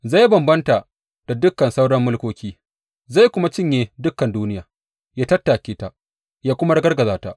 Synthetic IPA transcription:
za˦˨ji˦bɐ˨mbɐ˦nta˨ | d̥a˨dʊ˦kːɐ˨nsa˦wɽɐ˦mːʊ˦lkʷoː˦kʲiː˦ | za˦˨jkʷʊ˦ma˦t͡ʃɪ˦ɲjeː˨dʊ˦kːɐ˨nduː˦nɪ˦jaː˨ | jaː˦tɐ˦tːaː˨kʲeː˦ta˦ | jaː˦kʷʊ˦ma˦ɽɐ˦ɡɐ˦rɡɐ˨zaː˨˦ta̰˦ʔ

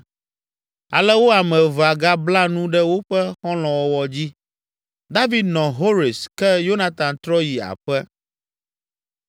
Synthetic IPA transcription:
a̰˨lɛ˦wo˦a˨mɛ̃˨va˨ɡa˦bla˦nũ˦ɖɛ˦wo˦ɸɛ˦xɔ̃˦l̃ɔ̃˨wɔ˨wɔ˨d͡ʑi˦ | d̪a˦vi˨d̪nɔ̃˨ɦo˦ɾi˨skɛ˦jo˦na˨t̪ã˨nt̪ɾɔ˦ji˨a̰˨ɸɛ˦

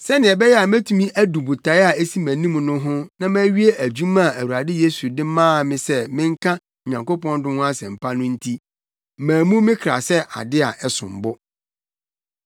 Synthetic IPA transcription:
sɛ˦nɪ̃˨ɛ˨bɛ˦jɛ˦a˨mæ̃˦tʰũ˨mĩ˦ʔæ˦du˨bu˨tʰa˨˦ɪ˦a˨e˦si˦mæ̃˨nĩ˦m˨nʊ̃˦ɦʊ̃˦nã˦mæ̃ː˦ɥi˦e˦ʔæ˨d͡ʑu˦ma˦a˨æ˨wu˨ɾa˨dɪ˦je˦su˨dɪ˦mãː˦˨mɪ̃˦sɛ˦mɪ̃˦ŋ˦kʰã˦˨ | ɲã˨ŋko˦pɔ̃˦n˦dʊ̃˦hʊ̃˦a˦sɛ˨m̩˨pʰa˦nʊ̃˦n̩˦tʰi˦ | mæ̃ː˨mũ˦mɪ̃˦kʰɾa̰˨sɛ˦ʔa̰˨dɪ˦a˨ʔɛ˨sʊ̰̃˨m˨bʊ˦

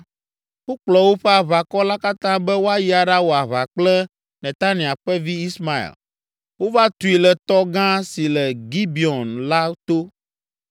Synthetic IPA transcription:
wo˦k͡plɔ˨wo˦ɸɛ˦a˨βa˨kɔ˦la˦ka˦t̪ã˦bɛ˦wo˦a˦ji˦a˨ɖa˦wo˨a˨βa˨k͡plɛ˦ | nɛ̃˨t̪a˦nĩ˨a˨ɸɛ˦vi˦i˦sma˨ḭ˨l | wo˦va˦t̪u˨i˨lɛ˨t̪ɔ˦ɡã˦si˨lɛ˨ɡi˦bi˨ɔ˨nla˦t̪o˦

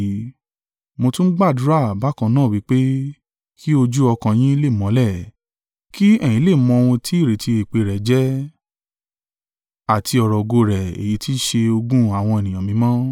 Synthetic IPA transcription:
mo˧tũ˦n̩˦ɡ͡ba˦˨du˦ɾa˦˨ba˨˦kã˧nãː˦˨wi˨˦k͡pe˦ | kʰi˦o˧d͡ʒu˦ɔ˧kã˧j̃ĩ˦le˦˨mɔ̃˨˧˦lɛ˦˨ | kʰi˦ɛ˦˨j̃ĩ˨˦le˦˨mɔ̃˧o˧wũ˧tʰi˦i˦˨ɾe˨ti˧e˨k͡pe˨˧ɾɛ˨d͡ʒɛ˦ | a˦˨tʰi˧ɔ˧ɾɔ˨ɡo˧ɾɛ˨ḛ˨ji˨˦ti˦ʃe˧o˧ɡũ˦a˦˨w̃ɔ̃˧e˨nĩ˨j̃ã˨mĩ˧˦mɔ̃˦

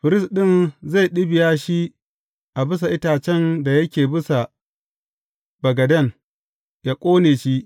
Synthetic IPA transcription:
ɸɪ˨ɾɪ˦sɗɪ˦˨nza˦˨jɗɪ˦bɪ˨jaː˦ʃi˦ | ʔa˨bɪ˦s̬a˨ʔɪ˦taː˨t͡ʃɛ˦˨nda˨jɐ˦kʲeː˨bɪ˦sa˨ | b̥ɐ˨ɡɐ˨dɐ˦˨n | ja˦kʷʼoː˦neː˨ʃi˦ʔ

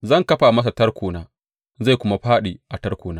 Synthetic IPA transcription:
zɐ˦˨ŋkɐ˦ɸa˨mɐ˦s̬a˨tɐ˦rkʷuː˨naː˦ | za˦˨jkʷʊ˦ma˦ɸaː˦ɗiː˨ʔa˨tɐ˦rkʷuː˨naː˦

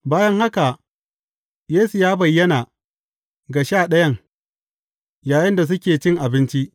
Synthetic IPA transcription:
baː˦jɐ˦ŋha˦ka˨ʔ | jeː˦su˨jaː˦bɐ˨jːɐ˦na˨ | ɡa˨ʃaː˦˨ɗɐ˦jɐ˦ŋ | jaː˨jɪ˦nda˨s̬ʊ˦kʲeː˨t͡ʃɪ˦ŋʔa˨bɪ˦nt͡ʃi˦ʔ

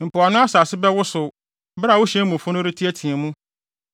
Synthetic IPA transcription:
m̩˨pʰʊ˨a˨nʊ̃˦a˦sa˨sɪ˦bɛ˦wʊ˦sʊ˨ | bɾa˨wʊ˦ɕɛ̃˦mʊ̃˨fʊ̃˦nʊ̃˦ɾɪ˦tʰi˦æ˦tʰĩ˨ɛ˨mũ˦

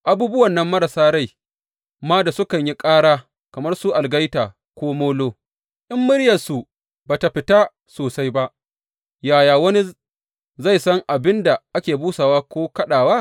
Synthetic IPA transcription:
ʔa˨buː˦bʊ˦wɐ˨nːɐ˦mːɐ˦ɾɐ˨saː˦ɽa˦˨j | maː˦da˨sʊ˦kɐ˨ɲji˦kʼaː˦ɽaː˦ | kɐ˨mɐ˦rsu˦ʔa˨lɡɐ˦jtaː˨ | kʷoː˦moː˦loː˦ | ʔɪ˦mːʊ˦ɽjɐ˨rsu˨ | baː˨ta˨ɸɪ˨taː˦ | soː˨sa˦jba˦ʔ | jaː˨jaː˨wɐ˦ni˦ | za˦˨jsɐ˦ŋʔa˨bɪ˦nda˨ʔa˦kʲeː˨buː˦sa˨waː˦kʷoː˦kɐ˦ɗaː˨waː˦

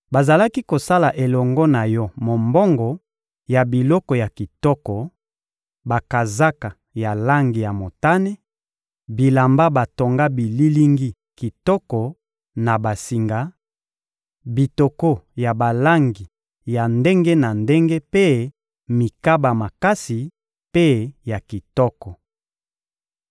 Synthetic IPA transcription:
ba˨za˨la˦ki˦ko˨sa˦la˨ʔe˨lɔ˨ŋɡɔ˦na˨jɔ˦mo˨mbɔ˦ŋɡɔ˨ | ja˨bi˨lɔ˦kɔ˨ja˨ki˨tɔ˦kɔ˨ | ba˨ka˨za˦ka˨ | ja˨la˦ŋɡi˨ja˨mo˨ta˦ne˦ | bi˨la˨mba˦ba˨to˨ŋɡa˦bi˨li˦li˦ŋɡi˦ | ki˨tɔ˦kɔ˨ | na˨ba˨si˨ŋɡa˨˦ | bi˨to˨ko˦ja˨ba˨la˦ŋɡi˨ | ja˨nde˦ŋɡe˦na˨nde˦ŋɡe˦pe˦ | mi˨ka˦ba˨ma˨ka˦si˨ | pe˦ja˨ki˨tɔ˦kɔ˨

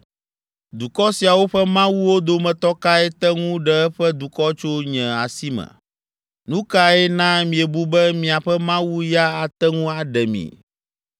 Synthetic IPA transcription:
d̪u˨kɔ˦si˨a˨wo˦ɸɛ˦mã˦wu˦wo˦d̪o˦mɛ̃˨t̪ɔ˦ka˦ɛ˦t̪ɛ˦ŋũ˦ɖɛ˨ɛ˦ɸɛ˦d̪u˨kɔ˦t͡ʃo˦ɲɛ̃˨a˨si˦mɛ̰̃˨ | nũ˦ka˦ɛ˦nã˦mĩ˨ɛ˨bu˦bɛ˦mĩ˨a˨ɸɛ˦mã˦wu˦ja˦a˨t̪ɛ˦ŋũ˦a˨ɖɛ˨mḭ̃˨

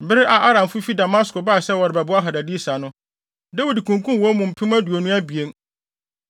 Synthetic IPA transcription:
bɪ˦ɾɪ˦ʔa˨ʔa˦ɾã˨mfʊ˦fi˦da˨ma˦sko˨baː˦˨sɛ˦wɔ˨ɾɪ˨bɛ˨bʊ˦a˦ɦa˨da˨di˦sa˨nʊ̃˦ | dɛ˦wi˨dkʰũ˨ŋ˨kʰũ˦nwɔ̃˦mũ˨m̩˨pʰɪ̃˦mã˦du˨o˨nũ˦æ˦bi˨e˦n

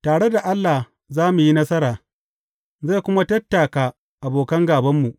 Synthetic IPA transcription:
taː˨ɽe˦da˨ʔa˦lːa˨ | zaː˦mu˨ji˦nɐ˦sɐ˦ɾaː˨ | za˦˨kʷʊ˦ma˦tɐ˦tːa˨ka˨ | ʔa˨boː˨kɐ˦ŋɡaː˨bɐ˦mːu˨ʔ

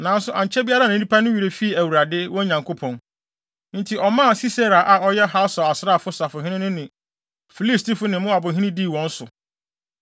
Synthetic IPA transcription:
nã˨˦n˦sʊ˦˨ʔã˨ɲ˨t͡ɕʰɛ˦bi˦a˦ɾa˦nɪ̃˨˦dĩ˦pʰa˦nʊ̃˦ɥi˨ɾe˨fi˦˨æ˨wu˨ɾa˨dɪ˦wɔ̃˦ɲã˨ŋkʰo˦pʰɔ̃˨n | n̩˦tʰi˨ʔɔ˨mã˦˨si˦sa˦ɾa˨ʔa˨ɔ˦jɛ˦ɦa˦sɔ˨a˨sɾa˦˨fʊ˦sa˨fʊ˨ɦɪ̃˦nɪ̃˦nʊ̃˦nɪ̃˨ | fi˨li˦sti˦fʊ˦nɪ̃˨mʊ̃˦a˨bʊ˨ɦĩ˦nɪ̃˦diː˦˨wɔ̃˨n̩˦sʊ˨

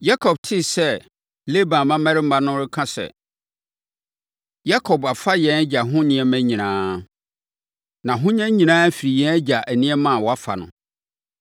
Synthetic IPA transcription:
ja˦kʰɔ˨b̚tʰɪ˦sɛ˦ | le˦bã˨mã˦mæ̃˦ɾɪ˦m̩˦ba˦nʊ̃˦ɾɪ˦kʰã˦sɛ̰˨ | ja˦kʰɔ˨ba˨fa˦jɛ̃˨˦næ˦d͡ʑa˨ɦʊ̃˦nɪ̃˦ɛ˦mæ̃˦ɲĩ˨nãː˦ | nã˨ɦʊ̃˦ɲɛ̃˦ɲĩ˨nãː˦fi˨ɾi˨jɛ̃˦æ˦d͡ʑa˨ʔæ˨nĩ˦ɛ˦mã˦˨wɔ˨a˦fa̰˨nʊ̰̃˨

